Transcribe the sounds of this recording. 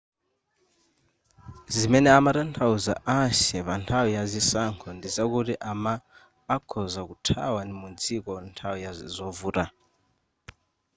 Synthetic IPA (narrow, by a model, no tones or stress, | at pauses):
zimɛnɛamaɾantʰauza̰ʔaʃɛβantʰawujazisaŋkʰɔndizakutiʔamaː | kʰɔzakutʰa̰wanimund͡zikɔntʰawujazɔvuɾa